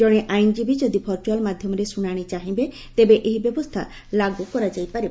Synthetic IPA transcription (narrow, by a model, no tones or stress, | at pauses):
d͡ʒɔɽ̃eʔajnd͡ʒibid͡ʒɔd̪ipʰɔɾʈalmad̪ʱjɔmɔɾesuɽ̃aɽ̃it͡ʃaɦĩbe | t̪ebeʔeɦibjɔbɔst̪ʰa̰ | laɡukɔɾad͡ʒajpaɾib